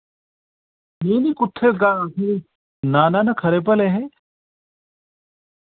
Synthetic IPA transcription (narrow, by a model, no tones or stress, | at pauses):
neːnikʊt̪ʰːeɡaakʰiɾi | naːnanɐkʰɐɾep̬ɐleɦe